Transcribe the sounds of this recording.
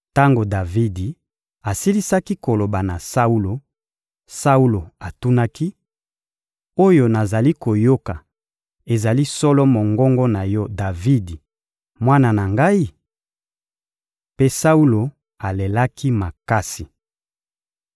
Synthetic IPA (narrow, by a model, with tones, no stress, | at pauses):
ta˦ŋɡo˨da˨vi˦di˨ | a˨si˦li˦sa˦ki˦ko˨lo˨ba˨na˨sa˦u˦lo˨ | sa˦u˦lo˨a˨tu˦na˦ki˦ | o˦jo˨na˨za˨li˦ko˨jo˦ka˨ | e˨za˨li˦sɔ˦lɔ˦mo˨ŋɡɔ˦ŋɡɔ˦na˨jɔ˦da˨vi˦di˨ | mwa˦na˨na˨ŋɡa˦i˦ | pe˦sa˦u˦lo˨ | a˨le˨la˦ki˦ma˨ka˦si˨